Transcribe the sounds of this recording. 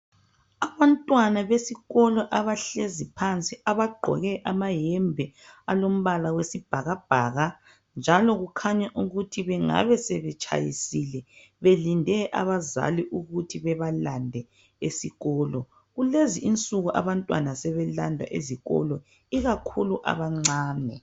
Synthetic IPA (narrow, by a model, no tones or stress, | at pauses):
aβantʼwanaβesiɣɔlɔʔaβaɬezipʰant͡sʼiʔaβaɡ͡ǃʱɔ̰ɣɛʔamajɛmbʱɛalom̩βalawesib̥ʱaɣab̥ʱaːɣa | nd͡ʒʱalɔɣukʰaɲaʔuɣutʰiβɛŋa̰βɛsɛβɛt͡ʃʼʰa̰jisilɛ | βelindʱɛʔa̰βaza̰liʔuɣutʰiβɛβalandʱɛ | esiɣɔːlɔ | ɣuleziʔint͡sʼuɣuʔa̰βantʼwanasɛβɛla̰ndʱwa̰ʔeziɣɔ̰lɔ | iɣakʰuluʔa̰βaŋ͡ǀaːnɛ